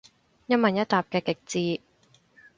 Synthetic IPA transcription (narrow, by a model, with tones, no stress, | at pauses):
jɐ˥mɐ˨njɐ˥t̚t̪ːaː˨˩p̚kɛː˧kɪ˨˩k̚t͡siː˧